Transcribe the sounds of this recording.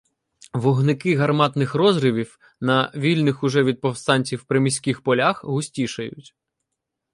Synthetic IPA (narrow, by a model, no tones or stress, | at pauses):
ʋɔɦnɪkɪɦɐrmɑt̪nɪxrɔzɾɪʋʲiw | nɐʋʲilʲnɪxʊʒɛʋʲid̪̚pɔwst̪ɑnʲt͡sʲiwpɾemʲisʲkixpɔlʲaxɦʊsʲtʲiʃɐjʊ̰tʲ